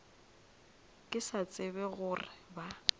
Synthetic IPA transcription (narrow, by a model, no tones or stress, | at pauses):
kʼɪsat͡sʼɪbɛɣʊrɪba